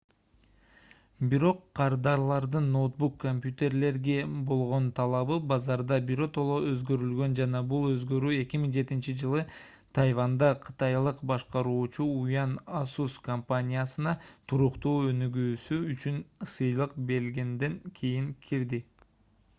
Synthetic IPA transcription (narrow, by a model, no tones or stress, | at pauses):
biɾo̞qːʰɑɾd̪ɑɾlˠɑɾd̪ɯnːo̞t̪̚bukːomʲpʲjut̪ʲe̞ɾle̞ɾɡe̞bo̞lˠʁo̞nt̪ʰɑlˠɑβɯbɑzɑɾd̪ɑbiɾo̞t̪o̞lˠoø̞zɡø̞ɾylɡø̞nd͡ʒɑnɑbulˠø̞zɡø̞ɾyːe̞kʲimiŋd͡ʒe̞t̪int͡ʃid͡ʒɯlˠɯ | t̪ʰajvand̪ɑqʰɯ̥t̪ɑjlˠɯqbɑʃqɑɾuːt͡ʃuujɑnasuskɐmpanʲijasɯnɑt̪ʰuɾuqt̪uːø̞nyɡyːsyːt͡ʃynsɯjlˠɯqbe̞lɡend̪e̞ŋkʰijiŋkʰiɾd̪i